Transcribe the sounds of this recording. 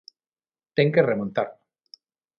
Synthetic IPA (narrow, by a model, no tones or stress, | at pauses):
t̪eŋkeremõnt̪a̰ɾ